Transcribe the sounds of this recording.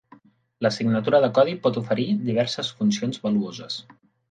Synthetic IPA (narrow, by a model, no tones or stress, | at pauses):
ləsiɡnət̪uɾəðəkɔð̞ipɔt̪ufəɾid̪iβ̞ɛɾsəsfunsionzβəluozəs